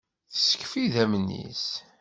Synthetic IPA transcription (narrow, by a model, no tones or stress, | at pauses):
θə̥sə̥kfiðæmnːḭs